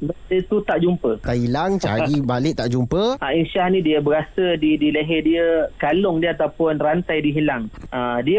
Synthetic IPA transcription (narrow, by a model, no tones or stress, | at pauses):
baət̪ut̪aʔd͡ʒumpət̪aʔɦilaŋt͡ʃa̰ɾibalɪʔ̚t̪aʔd͡ʒumpəainʃahnĩdiəbəɾasədidiləɦɛdiəkalʊŋdiəat̪awpʊnrant̪ajdiɦilaŋʔadiə